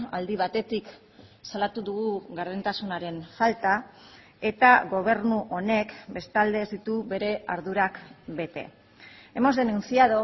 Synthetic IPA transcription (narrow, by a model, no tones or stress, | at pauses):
ald̪iβ̞at̪e̞t̪ik | salat̪uðuɣuɣaɾðent̪asunaɾe̞nfalt̪a | e̞t̪aɣo̞β̞e̞ɾnuʔo̞ne̞kbe̞st̪ald̪eːzd̪it̪uβe̞ɾe̞aɾðuɾakbe̞t̪e̞̰ | e̞mo̞zðe̞nunt͡siaðo